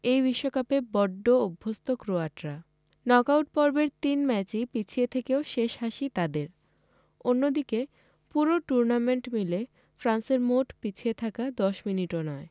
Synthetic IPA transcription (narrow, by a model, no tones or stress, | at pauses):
ejbiʃːokapebɔɖːoobʱːost̪okɾoaʈɾa | nɔkawʈ̚pɔɾbeɾt̪inmɛt͡ɕipit͡ɕʰiet̪ʰekeoʃeʃhaʃit̪ad̪eɾ | onːod̪ike | puɾoʈuɾnameɳʈmile | fɾanseɾmoʈpit͡ɕʰiet̪ʰakad̪ɔʃminiʈonɔe